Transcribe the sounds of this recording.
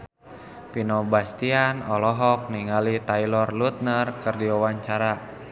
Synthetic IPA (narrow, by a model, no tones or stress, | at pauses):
pinɔbast̪ianɔlɔɦɔk̚niŋalit̪ailɔrlut̪̚nərkɨrdiawaɲt͡ʃaɾa